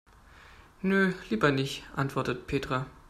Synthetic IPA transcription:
nøliːbɐnɪçtʔa̰ntv̥ɔɐtətpʰeːtʁ̥a

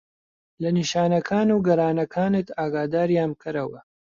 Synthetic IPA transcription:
lɐniʃaːnɐkʰaːnuːɡɐɾaːnɐkʰaːnɨt̪aːɡaːd̪aːɾjaːmkʰɨɾɐwɐ

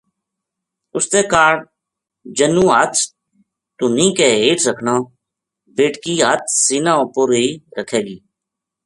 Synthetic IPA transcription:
ʊst̪eːkaːɖ | d͡ʒənũːɦət̪ʰ | t̪ʊnĩːkeːɦeːʈɾəkʰnaː | beːʈkiːɦət̪̚ʰsiːnãːoːpoːɾiːɾəkʰeːɡiː

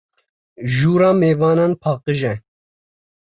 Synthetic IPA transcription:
ʒuːɾɑːmeːvɑːnaːnpʰɑːqɨʒɛ

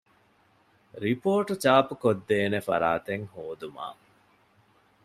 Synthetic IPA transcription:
ɾipoːʈut͡ʃaːpukod̪ːeːnefɐ̰ɾaːt̪eŋhoːd̪uma̰ː

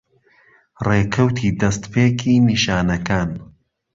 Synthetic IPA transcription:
reːkʰɐwt̪ʰiːd̪ɐst̪pʰeːkʰiːniːʃaːnɐkʰaːn

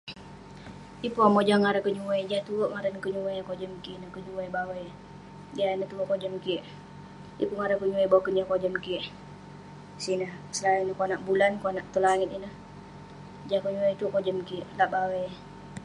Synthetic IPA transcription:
ipuamod͡ʒaŋaɾakəɲuwɛjd͡ʒat̪uoʔŋaɾankəɲuwajkod͡ʒəmkiʔnəkəɲuwejbawɛj | d͡ʒianət̪uɾoʔkod͡ʒəmkiəʔ | ḭpuŋaɾakəɲuwɛjbawakənakod͡ʒəmkiəʔ | sinəh | səlajənəkonaʔbulankoanaʔt̪ulaŋit̪inəh | d͡ʒakəɲuwejt̪uoʔkod͡ʒəmkiʔlaʔbawəj

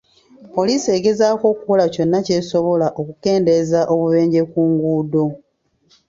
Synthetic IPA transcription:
po̞lise̞ɡe̞zaːko̞ːkukolaco̞nːace̞ːso̞βo̞laʔo̞kuke̞ːnde̞zaʔo̞βuβe̞ːɲɟe̞kuːŋɡuːdo

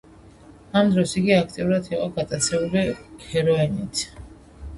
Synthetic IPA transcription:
amd̪ɾɔsiɡiakʰt̪ʼiuɾat̪ʰiqʼɔɡat̪ʼat̪sʰɛbulikʰɛɾɔɛnit̪ʰ

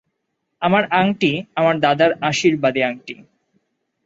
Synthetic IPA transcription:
amaɾaŋʈiamaɾd̪ad̪aɾaʃiɾbad̪iaŋʈi

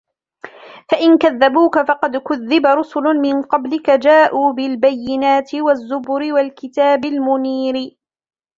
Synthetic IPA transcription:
faʔɪnkaðːabuːkafɑqɑd̪kʊðːɪbaɾˤʊsʊlʊmɪnqɑblɪkad͡ʒaːʔuːbɪlbajːɪnaːt̪ɪwazːʊbʊɾɪwalkɪt̪aːbɪlmʊniːɾɪ

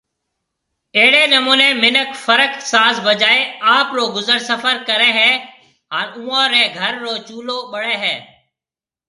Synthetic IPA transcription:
eːɽeːnəmuːnẽːmɪnəkfəɾəksaːsbəd͡ʒaːeːaːpɾoːɡʊzəɾsəfəɾkəɾɛ̃ːɦɛː | ɦaːnũːãːɾẽːɡʱəɾːoːt͡ʃuːloːɓəɽẽːɦɛː

